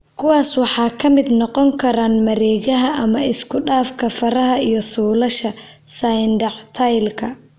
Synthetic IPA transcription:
kʰʊwɑːswɑħɑːkʰɐmɪd̪nɔqɔŋkʰɐɾaːnmɐɾɛːɣɐɦɐʔɐmɐɪskʰʊɖaːfkʰɐfɐɾɐɦɐijɞsuːlɐʃɐ | sajndɐʕt̪ʰajlkʰɐ

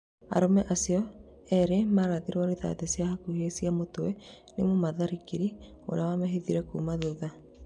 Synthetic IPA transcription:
a̰ɾɔmɛʔasiɔ | ɛɾemaɾaðeɾɔɾeða̰tɛsjahakuhesiamotwɛ | nemomaðaɾikiɾi | o̰ɾawamɛɦeðiɾɛkṵmaðoða

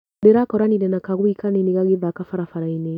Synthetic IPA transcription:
eɾakɔɾaniɾɛnakaɣwikaneniɣaɣeðakafaɾafaɾaine

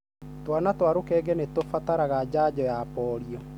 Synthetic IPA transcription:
twanatwaɾokɛːɡɛnetofataɾaɣad͡ʑad͡ʑɔjapɔɾiɔ

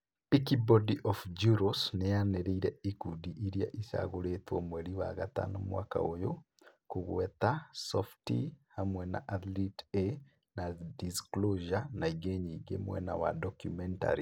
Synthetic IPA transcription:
ekibɔdiʔɔfd͡ʒuɾosnejaneɾeiɾɛikudiʔiɾijaʔisa̰ɣoɾetwɔmwɛɾiwaɣat̪a̰nomwa̰ka̰ojo | koɣwɛt̪asɔftḭhamwɛna̰ʔat̪lite | nadiskloʒanaiɡeɲiːɡemwɛ̰na̰wadɔkjumɛnta̰ɾi

